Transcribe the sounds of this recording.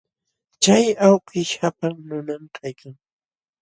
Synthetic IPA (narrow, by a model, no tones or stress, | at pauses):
t͡ʃajawkɪʃapaŋnʊnamkʰajkʰaŋ